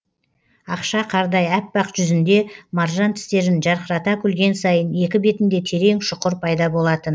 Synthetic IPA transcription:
ɑqʃɑqʰɑɾd̪ɑjæpːɑqʒʏzɪnd̪e̞mɑɾʒɑnt̪ʰɪ̥st̪e̞ɾɪnʒɑɾqəɾɑt̪ɑkʲʰʏlɡʲe̞nsɑjəne̞kʲɪbe̞t̪ɪnd̪e̞t̪ʰe̞ɾe̞ŋʃʊqəɾpʰɑjd̪ɑbo̞lˠɑt̪ən

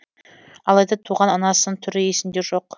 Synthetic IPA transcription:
ɑlˠɑjd̪ɑt̪ʰuʁɑnɑnɑsəəɴt̪ʰʏɾɪesɪnd̪e̞ʒo̞q

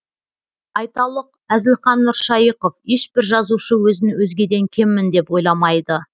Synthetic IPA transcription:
ɑjt̪ɑlˠəq | æzɪlχɑnːʊɾʃɑjəqofe̞ʃbɪɾʒɑzuʃəwɵzɪnɪwɵzɡʲe̞d̪e̞ŋkʲʰe̞mːɪnd̪e̞pwo̞jlˠɑmɑjd̪ə

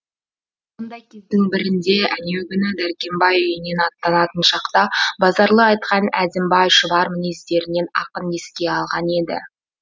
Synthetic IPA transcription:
mond̪ɑjkʲʰezd̪ɪŋbɪɾɪnd̪e̞ʔæneɡʲʏnɪd̪æɾkʲe̞mbɑjʏjɪne̞nɑt̪ːɑnɑt̪ənʃɑqt̪ɑbɑzɑɾlˠəɑjt̪qɑnæ̰d̪ɪmbɑjʃəbɑɾmɪnist̪e̞ɾɪne̞nɑ̰qəne̞skʲe̞ɑlˠʁɑne̞d̪ɪ̰

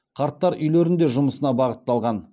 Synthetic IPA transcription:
qʰɑɾt̪ːɑɾʔʏjleɾɪnd̪e̞ʒʊməsənɑbɑʁət̪ːɑlˠʁɑn

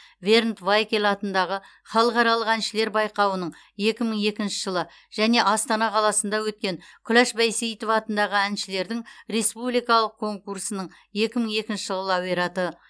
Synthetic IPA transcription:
ve̞rnt̪vajkʲelɑt̪ənd̪ɑʁə | χɑlˠəqɑɾɑlˠəqænʃɪle̞ɾbɑjqɑwənəɴ | je̞kʲɪməɴe̞kʲɪnʃɪ̥ʒəlˠə | ʒ̥æne̞ʔɑst̪ɑnɑqʰɑlˠɑsənd̪ɑwɵt̪̚kʲe̞ŋkʲʰʊlæʃbæjsejt̪ofɑt̪ənd̪ɑʁəænʃɪle̞ɾd̪ɪŋɾe̞spublijkɑlˠəq̚kʰːo̞ŋkursənəɴ | je̞kʲɪməɴe̞kʲɪnʃɪʒəlˠəlˠɑwijɾɑt̪ə

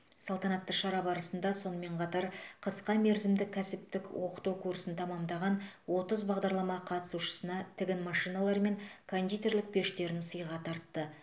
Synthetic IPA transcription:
sɑlˠt̪ɑnɑt̪ːəʃɑɾɑbɑɾəsənd̪ɑso̞nəme̞ɴqʰɑt̪ɑɾqʰəsqɑme̞ɾzɪmd̪ɪkʲʰːæsɪp̚t̪ɪkwo̞qə̥t̪uwkʰuɾsənt̪ʰɑmɑmd̪ɑʁɑnwo̞t̪əzbɑʁd̪ɑɾlˠɑmɑqʰɑt̪ə̥suʃə̥sənɑt̪ʰɪɡʲɪnmɑʃijnɑlˠɑɾme̞ŋkʰond̪ijt̪e̞ɾlɪk̚pʰe̞ʃt̪e̞ɾɪnsəjʁɑt̪ʰɑɾt̪ːə

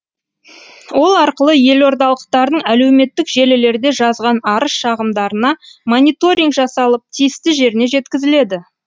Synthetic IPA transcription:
wo̞lˠɑɾqəlˠəje̞lo̞ɾd̪ɑlˠəq̚t̪ɑɾd̪əɴæle̞wme̞t̪ːɪkʒe̞lɪle̞ɾd̪e̞ʒɑzʁɑnɑɾəsʃɑʁəmd̪ɑɾənɑmonʲijt̪o̞ɾʲiŋɡʒɑsɑlˠəp̚t̪ʰijɪst̪ɪʒe̞ɾɪne̞ʒe̞t̪kʲɪzɪle̞d̪ɪ

